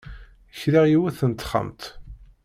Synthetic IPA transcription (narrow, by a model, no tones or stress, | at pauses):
çɾiʁjiwæθənt̪χə̰mt̪